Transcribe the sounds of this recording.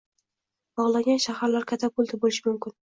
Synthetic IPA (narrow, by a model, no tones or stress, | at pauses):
b̥ɒʁlˠaɡʲanʃahaɾlaɾkʰʲat̪ʰapʊlˠd̪ʰabolɪʃɪmʊmkʲɪn